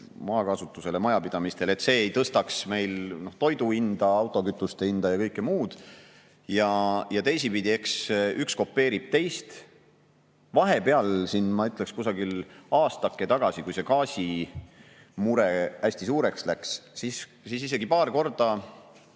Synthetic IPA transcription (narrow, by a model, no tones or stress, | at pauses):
mɑːkɑsut̪ːˑuse̞lemɑjɑpid̪̥ɑmist̪e̞le̞t̪se̞ːejt̪ɤst̪ɑksme̞jlno̞ht̪o̞jd̪uind̪̥ɑɑwt̪ˑo̞kyt̪ːˑust̪eind̪̥ɑjɑkɤjkːˑemuːd̪̥ | jɑjɑt̪e̞jsipid̪ʲie̞ksyksko̞pːe̞ːɾib̥̚t̪e̞jst̪ | vɑɦe̞pe̞ɑlsinmɑyt̪ːˑlekskusɑɡilɑːst̪ɑkːet̪ɑɡ̥ɑsikujse̞kɑːsʲi | muɾeæsʲt̪isuːɾe̞kslækssis | siːs̬is̬e̞ɡ̥ipɑːrko̞rd̪̥ɑ